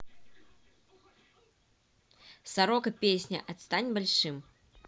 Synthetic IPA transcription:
saɾɔkɐpʲesʲnʲɐ̰ʔɐt̪st̪anʲbalʲʂɨm

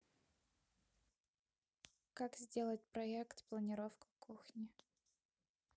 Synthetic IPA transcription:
kakzʲdʲelˠət̚ʲpɾɐɛkt̪plˠənʲɪɾofkʊ̥kuxnʲɪ

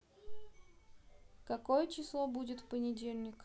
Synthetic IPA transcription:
kɐkojət͡ɕɪslˠobudʲɪt̪fpənʲɪdʲelʲnʲɪk

